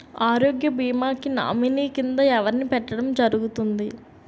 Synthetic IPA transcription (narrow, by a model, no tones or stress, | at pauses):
aːɾoːɡjɐbiːmaːkina̰ːminiːkind̪ɐɛʋɐɾnipɛʈːɐɽɐmd͡ʒɐɾuɡut̪und̪i